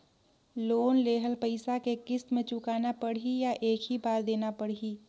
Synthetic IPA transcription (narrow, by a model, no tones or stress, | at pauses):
loːnleːɦəlpəɪsakekɪst̪mẽt͡ʃʊkaːnapəɽɦijaʔeːkʰɦibaːɾd̪eːnapəɽɦiː